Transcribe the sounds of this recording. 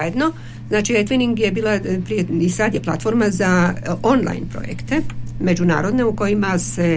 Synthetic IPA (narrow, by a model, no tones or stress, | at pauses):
ajed̪no̞ | znaːt͡ʃiɾet̪liniŋɡje̞biːlˠapɾijeisad̪jepla̰t̪fo̞ɾmazao̞nlˠa̰jnpɾo̰jḛkt̪e̞me̞d͡ʒuna̰ːɾo̞d̪ne̞uko̞jimase̞